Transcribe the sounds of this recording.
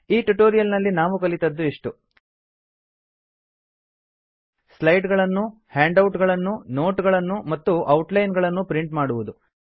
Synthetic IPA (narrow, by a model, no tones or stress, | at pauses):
iːʈuʈoːɾijɐlnɐlːinaːʋukɐlit̪ɐd̪ːuiʂʈu | slɐjɖɡɐɭɐnːu | haːɳɖɐwʈɡɐɭɐnːunoːʈɡɐɭɐnːumɐt̪ːuʔɐwʈlɐjnɡɐɭɐnːupɾiɳʈmaːɽuʋud̪u